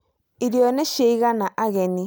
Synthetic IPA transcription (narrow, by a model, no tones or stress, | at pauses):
iɾjɔnɛʃeiɣanaʔaɣɛni